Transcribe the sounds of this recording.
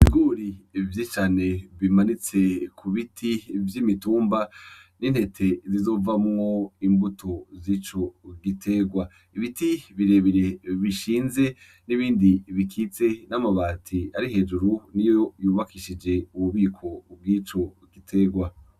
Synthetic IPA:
βiɡuːɾivjit͡ʃaːne̞βimanit͡se̞kʰuβitʰivjimituːmbaninhe̞tʰe̞zizo̞ːvamŋo̞imbutʰozit͡ʃo̞ɡitʰe̞ɡwa | iβitiβiɾe̞βiɾe̞βiʃiːnze̞ | niβiːndiβikʰit͡se̞namaβaːtʰiaɾihe̞ːd͡ʒuɾunijojuːβakiʃid͡ʒe̞uβuβiːkʰo̞b̚wiːt͡ʃo̞ | ɡitʰe̞ɡwa

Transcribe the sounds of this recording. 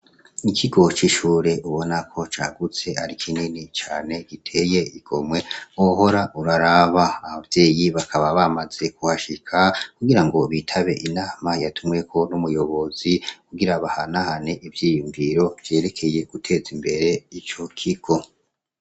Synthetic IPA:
ikʰiɡo̞t͡ʃiʃuːɾe̞ʔuβo̞nakʰo̞t͡ʃa̰ɡut͡se̞aɾikʰininit͡ʃaːne̞ɡ̥itʰe̞je̞iɡ̥o̞mwe̞oɦo̞ɾaʔuɾaɾaβaːβavje̞ːjiβakʰaβaβamaz̥e̞kuhaʃikʰakuɡiɾaŋɡo̞βitʰaβe̞ʔinaːmajatʰumŋe̞kʰo̞numujo̞βo̞zikuɡiɾaβaha̰nahane̞ʔivjiːjuɱviɾo̞v̥je̞ːɾe̞kʰe̞je̞ɡ̥utʰe̞ːzimbe̞ɾe̞it͡ʃo̞kʰiɡ̥o̞

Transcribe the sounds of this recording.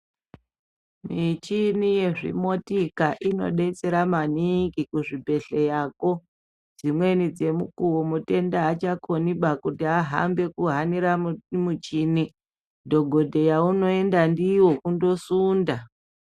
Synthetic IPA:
mit͡ʃinije̞ʐḭmo̞tikaʔino̞̰ɗe̞t͡se̞ɾamaniŋɡikuʐibʱe̞ɬe̞jaːko̞ | d͡zimwe̞nid͡ze̞mukuwomute̞ndaat͡ʃakʰo̞niɓakutiaɦa̰mbe̞kuɦaniɾamut͡ʃini | dʱo̞ɡʱo̞dʱe̞jauno̞e̞ndandiwo̞kundo̞suːnda

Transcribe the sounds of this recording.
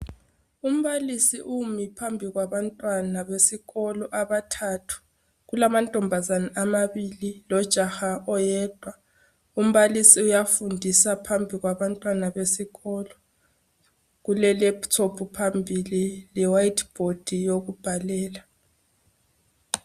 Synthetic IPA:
um̩βalisiʔumipʰambʱiɣwaβantʼwanaβesiɣɔlɔʔaβatʰatʰu̥ | ɣulamantʼɔmbʱazanaʔamaβililɔd̥ʒ̥ʱaxaʔɔjɛːd̥ʱwa | um̩βalisiujafundʱisapʰambʱiɣwaβantʼwanaβesiɣɔlɔ | ɣulɛlɛptʰopʰupʰambʱililɛwajtʰb̥ʱod̥ʱijoɣub̥ʱalɛːla

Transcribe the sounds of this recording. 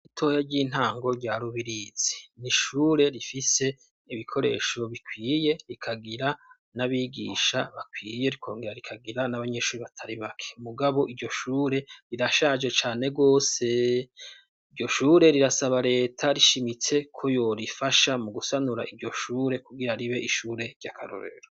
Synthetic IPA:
itʰo̞ːjaɾɟiːn̥haːŋɡo̞ɾɟaːɾuβiɾiːz̥iniʃuːɾe̞ɾifise̞ | iβikʰo̞ɾe̞̰ːʃo̞βikwiːje̞ɾikʰaɡiɾa | naβiːɡḭːʃaβakwiːje̞ɾikʰo̞ːŋɡeɾaɾikʰaɡiɾanaβaɲe̞ʃuːɾiβatʰaɾiβakʰe̥muɡaβo̞ʔiɾɟo̞ʃuːɾe̞ɾiɾaʃad͡ʒe̞t͡ʃaːne̞ɡo̞ːse̞ | iɾɟo̞ʃuːɾe̞ɾiɾasaβaɾe̞ːtʰaɾiʃimit͡se̞kʰo̞jo̞ɾifaʃamuɡusanuɾa̰ʔiɟo̞ʃuːɾe̞kuɡiɾaɾiβe̞iʃuːɾe̞ɾɟakʰa̰ɾo̰ɾe̞̰ɾo

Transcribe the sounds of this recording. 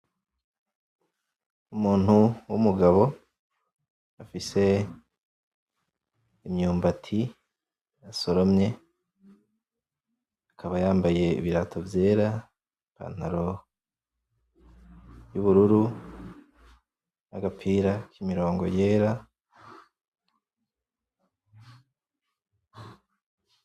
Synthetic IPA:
umuːn̥huwṵmuɡaβo̞ | afise̞ | mɲuːmbatʰi | aso̞ɾomɲe̞ | akʰaβajaːmbaje̞ḭβiɾatʰo̞vje̞ːɾa | pa̰n̥haɾo̞ | juβuɾuɾu | na̰ɡapiːɾakʰimiɾo̞ːŋɡo̞̰je̞ːɾa

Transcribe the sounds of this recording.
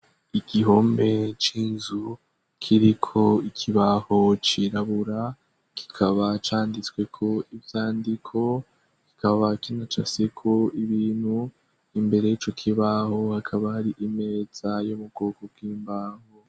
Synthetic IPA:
iɡiɦoːmbe̞t͡ʃiːnzu | kʰiɾikʰo̞ikʰiβaho̞t͡ʃiɾaβuɾa | kʰi̥kʰaβat͡ʃaːndit͡swe̞kʰo̞ivjaːndikʰo̞ | ki̥kaβakinat͡ʃa̰sekʰo̞iβiːnhu | imbe̞ɾe̞jit͡ʃo̞kʰiβaho̞hakʰaβahaɾiʔime̞z̥ajomub̚ɡoːɡoɡɡwiːmbaːho

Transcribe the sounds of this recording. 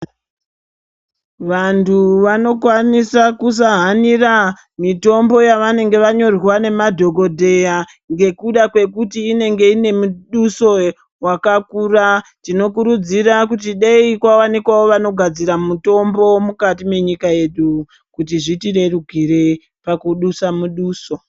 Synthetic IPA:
ʋantʰuʋano̞kwanisakus̬aɦanira | mito̞mbo̞jaʋane̞ŋɡe̞ʋaɲo̞rwane̞madʱo̞ɡʱodʱe̞ja | ŋɡe̞kuɗakwe̞kutiːne̞ŋɡe̞ine̞muɗuso̞ | wakakuːratino̞kuɾud͡zirakut̬iɗeikwawanikwawo̞ʋano̞ɡʱad͡ziɾamuto̞mbo̞mukatime̞ɲikae̞ɗu | kut̬iʐitiɾe̞ruɡʱiɾe | pakuɗusamuɗuːso̞

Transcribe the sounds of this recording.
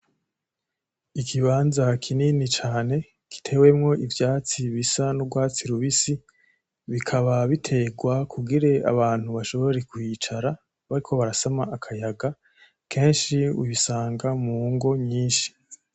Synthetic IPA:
ikʰiβaːnzakʰininit͡ʃaːne̞ | ki̥tʰe̞we̞mŋo̞ʔivjaːt͡siβisanuɡwaːt͡siɾuβisi | βikʰaβaβitʰe̞ːɡwakʰuɡiɾe̞a̰βaːn̥huβaʃo̞βo̞ɾe̞kwit͡ʃaɾa | βaɾikʰo̞βaɾasamaʔːkʰajaɡa | kʰe̞ːnʃiṵβisaːŋɡamuːŋɡo̞ɲiːnʃi̥

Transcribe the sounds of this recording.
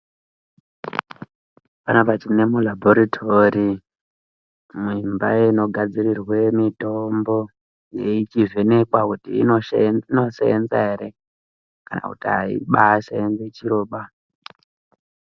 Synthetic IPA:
panapat͡ʃine̞mulaboɾatʰori | mimbaeno̞ɡʱad͡zirirwemito̞mbo̞ | jeit͡ʃiʐe̞ne̞kwakutḭːino̞sḛend͡zaeɾe̞ | kana̰kutiɦaḭɓaːseenzet͡ʃiɾo̞ːɓa

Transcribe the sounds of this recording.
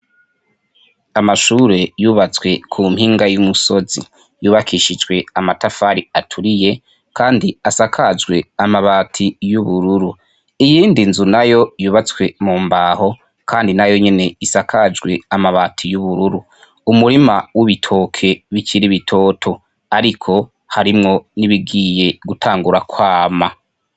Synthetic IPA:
amaʃuːɾe̞juːβat͡swe̞kʰumhiːŋɡajumuso̞zḭ | juːβakʰiʃid͡ʒɡwe̞amatafaːɾiatʰuɾije̞ | kʰaːndiasakʰad͡ʒɡwe̞amaβaːtʰijuβuɾuɾu | ijiːndinzunajo̞juːβat͡swe̞muːmbaːho̞ | kʰaːndinajo̞ɲe̞ne̞isakʰad͡ʒɡwe̞amaβatʰijuβuɾuɾu | umuɾimawiβitʰo̞kʰe̞βicʰiɾiβitʰo̞ːtʰo̞ | aɾikʰo̞ | haɾimŋo̞niβiɡiːje̞ɡutʰaːŋɡuɾakwaːma

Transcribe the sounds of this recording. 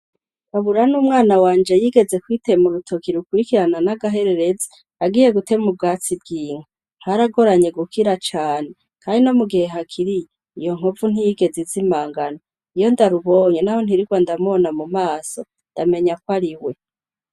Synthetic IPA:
aβuɾanuːmŋaːnawaːnd͡ʒe̞jiːɡe̞ze̞kwiːtemuɾutʰo̞kiɾukwuɾikiɾananaɡaɦe̞ɾe̞ɾe̞zi̥ | aɡiːje̞ɡute̞mub̚ɡaːt͡sibɡiːŋ̥a | ŋ̥haɾaɡo̞ɾaɲe̞ɡukʰiɾat͡ʃaːne̞ | kaːndino̞muɡihe̞ɦakʰiɾije | ijo̞ŋ̥ovun̥hijiɡe̞zizimaːŋɡano | ijo̞ndaɾuβo̞ːɲenaho̞n̥hiɾikwandamonamumaːso̞ | ndame̞ɲakwaɾiwe̞

